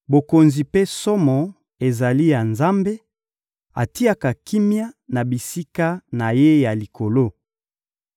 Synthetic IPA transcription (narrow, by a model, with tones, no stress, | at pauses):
bo˨ko˨nzi˨pe˦sɔ˦mɔ˨ | e˨za˨li˦ja˨nza˦mbe˦ | a̰˨ti˦a˨ka˨ki˦mja˦na˨bi˨si˦ka˦na˨je˦ja˨li˨ko˨lo˦